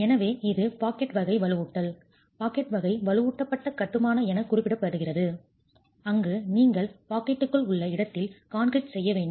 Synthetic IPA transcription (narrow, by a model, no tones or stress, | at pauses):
ɛnɐʋeːɪðɯpaːkɛʈʋɐɣɐɪʋɐɭɯɣuːʈːɐl | paːkɛʈʋɐɣɐɪʋɐɭɯuːʈːɐpːɐʈːɐkɐʈ̪ːɯmaːnɐɛnɐkːʊrɪpːɪɽɐpːɐɾɯɣɪrɐðɯ | ɐŋɡɯniːŋɡɐɭpaːkɛʈːɯkːɯɭʊɭːɐɪɽɐt̪ːɪlkaːnkɾɪʈsɛjːɐʋeːɳɖɯ